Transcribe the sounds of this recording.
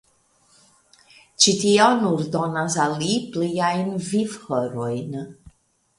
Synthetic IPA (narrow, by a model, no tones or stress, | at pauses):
t͡ʃitionuɾdo̞nasalipliajnvivhoɾojn